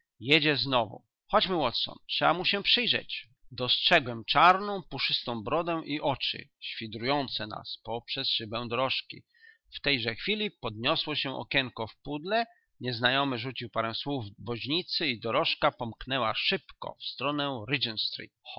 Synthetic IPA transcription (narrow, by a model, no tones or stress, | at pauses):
jɛd͡ʑɛznɔvṵ | xɔd͡ʑmɘwɔt̪sɔ̰ntʂɛbamuɕɛpʂɘjʐɛ̰t͡ɕ | d̪ɔstʂɛɡwɛmt͡ʂaɾnɔ̃w̃puʂɘst̪ɔ̃w̃bɾɔd̪ɛ̃ʔiʔɔt͡ʂɘ̰ɕfʲid̪ɾujɔnt̪sɛna̰spɔpʂɛsʂɘbɛw̃d̪ɔɾɔʂkʲḭ | ft̪ɛjʐɛxfʲilʲipɔd̪̚ɲɔswɔɕɛʔɔ̰kʲɛŋkɔfpud̪lɛ | ɲɛznajɔmɘʐut͡ɕiwpaɾɛw̃swuvbɔʑɲit̪sɘid̪ɔɾɔʂkapɔmknɛwaʂɘpkɔ̰fst̪ɾɔnɛɾɘd͡ʒɛnst̪ɾḭt̪